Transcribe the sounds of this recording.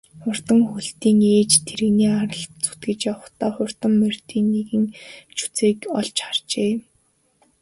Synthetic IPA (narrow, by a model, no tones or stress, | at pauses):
χʊr̥t̪ə̆ŋxuɮt̪iːŋeːt͡ɕt̪ʰeɾɘ̆ɣniːaɾə̆ɬt̪t͡su̥t̪ɡɘ̆t͡ɕjawə̆χt̪ːaːχʊr̥t̪ə̆mːer̥t̪ʰiːnːeɣɘ̆ŋt͡ɕʰu̥t͡seːkɔɮt͡ɕχar̥t͡ɕeː